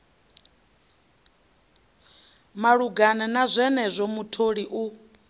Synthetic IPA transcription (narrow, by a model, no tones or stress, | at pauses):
maɺuɡanɛnazʷɛnɛzʷɔmutʰoɺiʔu